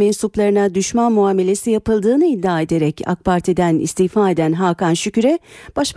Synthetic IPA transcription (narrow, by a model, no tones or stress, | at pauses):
ɛnsuplˠaɾɯnad̪yʃmanmuaːme̞lʲe̞sijapɯlˠd̪ɯːnɯid̪ːaːe̞d̪e̞ɾɛcʰa̰k̚pʰaɾt̪ʰid̪ænḭst̪ihfaːe̞d̪ænɦaːkanʃycʲyɾɛb̥aʃ